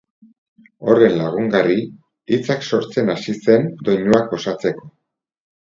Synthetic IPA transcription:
o̞re̞nlaɣ̞uŋɡari | it͡sakso̞ɾt͡se̞nasise̞nd̪o̞jɲuak̚bo̞sat͡se̞ko̞

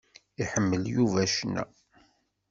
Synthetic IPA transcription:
iħəmːəljuvæʃnːæ̰

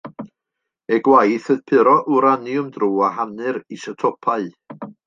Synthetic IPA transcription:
ɛɡwajθəðpʰɨɾɔʔuɾanjʊmdruːaɦanɨɾisətʰɔpʰaɨ

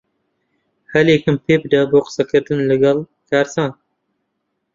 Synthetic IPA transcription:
hɐleːkɨmpʰeːpd̪ɐboːqə̥sɐkɨɾd̪ɨnlɨɡɐl | kʰaːɾsaːn

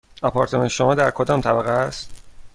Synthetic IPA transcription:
ɒpʰɒɾt̪ʰmɒnʃomɒːd̪æɾkʰod̪ɒːmt̪ʰæbæɣeæst̪

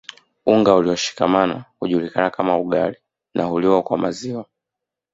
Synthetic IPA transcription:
uŋɡauliwaʃi̥kamana̰huʄulikanakamauɠali | nahuliwakwama̰ziwa

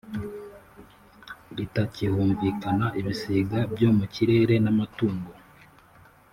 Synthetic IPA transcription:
ɾitacihuːɱviːkanaʔiβisiːɡabɟo̞ːmuciɾe̞ːɾe̞namatuːŋɡo

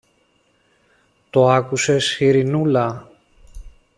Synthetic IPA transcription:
t̪o̞ɐkuse̞sxiɾinulɐ

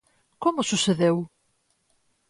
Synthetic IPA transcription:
komʊsuseðew

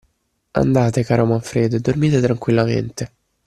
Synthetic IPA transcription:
a̰nd̪aːt̪ekaːɾomaɱfɾeːd̪ed̪ormiːt̪et̪ɾaŋkwilːamḛnt̪e

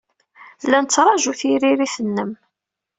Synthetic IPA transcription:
lænət͡sːɾˤɑʒuθiɾiɾiθənːəm

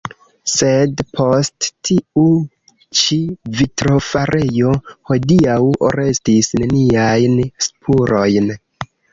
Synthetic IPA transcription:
se̞dpʰo̞sttʰiu | t͡ʃivitɾo̞faɾʔe̞jo̞ho̞diaw̰ɾe̞stisneniajnspʰuɾo̞jn

